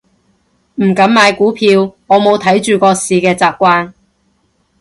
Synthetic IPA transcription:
m̩˨˩kɐ˨˥mmaː˨˧jkuː˨˥pʰiː˧wŋɔː˨˧mo˨˧wt̪ʰɐ˨˥jt͡ʃyː˨˧kɔː˧siː˨˧kɛː˧t͡saː˨p̚kʷaː˥n

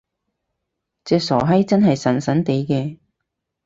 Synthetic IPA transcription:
t͡sɛː˨˧k̚sɔ̰ː˨˩ɦɐ˥jt͡sɐ˥nɦɐ˨jsɐ˨˩nsɐ˨˥nt̪e˨˧jkɛː˧

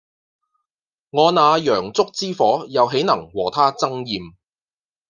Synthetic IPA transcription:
ŋɔː˨˧naː˨˧jœː˨˩ŋt͡sʊ˥k̚t͡siː˥fɔː˨˥jɐ˨˧wɦe˨˥jnɐ˨˩ŋwɔː˨˩t̪ʰaː˥t͡sɐ˥ŋjiː˨m

